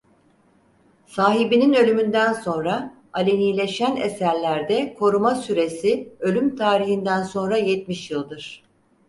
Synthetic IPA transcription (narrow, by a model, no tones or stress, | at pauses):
saːɦibininø̞lʲymynd̪ænso̞nɾa | alʲenijlʲe̞ʃænesæɾlʲæɾd̪ɛkʰo̞ɾumasyɾe̞siø̞lʲymt̪ʰaːɾiçind̪ænso̞nɾajɛt̪miʃjɯlˠd̪ɯɾ̝̥